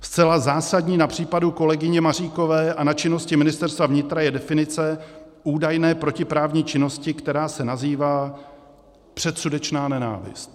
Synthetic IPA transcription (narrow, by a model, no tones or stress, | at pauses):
st͡sɛlazaːsadɲiːnapr̝̥iːpaduko̞lɛɡɪɲɛmariːko̞vɛːʔanat͡ʃɪno̞scɪmɪnɪst̪ɛɾst̪vavɲɪt̪ɾajɛdɛfɪnɪt͡sɛ | ʔuːdajnɛːpɾo̞cɪpɾaːvɲiːt͡ʃɪno̞scɪkt̪ɛɾaːsɛnaziːvaː | pr̝̥ɛt̪sudɛt͡ʃnaːnɛna̰ːvɪ̰st̪